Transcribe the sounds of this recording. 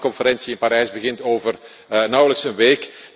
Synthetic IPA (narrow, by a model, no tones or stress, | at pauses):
kɔnfəɾɛnsiɪnpaɾɛjzbəɣɪntoːvər | nɑwələksənʋeːk